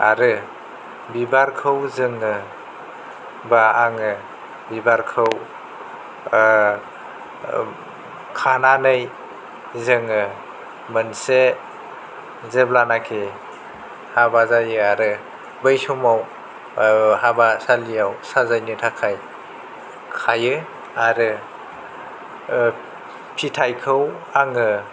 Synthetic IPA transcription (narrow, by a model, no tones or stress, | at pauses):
a̰ɾɯ | bibaɾkʰɯwzɯŋɯ | baːŋɯ | bibaɾkʰɯw | kʰananɯj | zɯŋɯ | mɯnse | zeblanakʰe | habazajɯaɾɯ | bɯjsumaw | habasalijawsazajnɯtʰakʰaj | kʰajɯ | aɾɯ | pʰitʰajkʰɯw | aŋɯ